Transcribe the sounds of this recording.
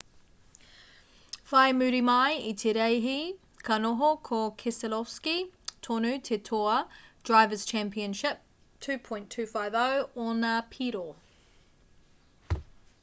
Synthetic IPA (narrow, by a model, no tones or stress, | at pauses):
faɪəmʉːɾimaɪitʰeɾɛɪɦi | kʰanɔɦokʰɔkʰɛsəlɔfskitʰɔnʉtʰɛtʰɔəd̥ɹaɪvəz̥t͡ʃʰæ̃mpiə̃nʃɪp̚ | tʰʉːpʰɔ̃ɪ̃ntʰʉːfaɪvəʊɔnəpʰiːɾo